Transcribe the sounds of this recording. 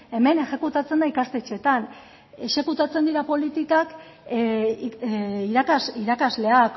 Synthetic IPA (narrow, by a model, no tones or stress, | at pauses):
e̞me̞neʃe̞kut̪at͡se̞nd̪aikast̪e̞t͡ʃe̞t̪an | e̞ʃe̞kut̪at͡se̞nd̪iɾapo̞lit̪ikak | iɾakaiɾakazle̞ak